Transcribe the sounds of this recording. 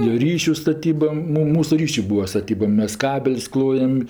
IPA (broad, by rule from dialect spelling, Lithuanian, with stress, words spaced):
joː ˈrʲiːʃʲʊ stɐˈtʲiːbɐ ˈmʊ ˈmuːsʊ ˈrʲiːʃʲʊ ˈbuːɐ stɐˈtʲiːbɐ ˈmʲɛs ˈkɑːbʲɛlʲsʲ ˈklˠoːjɛm